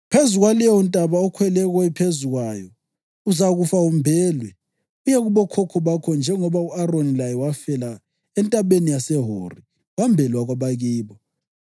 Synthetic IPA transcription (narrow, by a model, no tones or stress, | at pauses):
pʰezuɣwalɛwɔntʼaβaɔkʰwɛlɛɣɔɛpʰezuɣwajɔ | uzaɣufaumbʱɛːlwɛ | ujɛɣuβɔkʰɔkʰɔβakʰɔnd͡ʒʱɛŋɔβauaronilajɛwafɛla | ɛntʼaβenijasɛɦo̰ri | wambʱɛlwaɣwaβaɣiːβɔ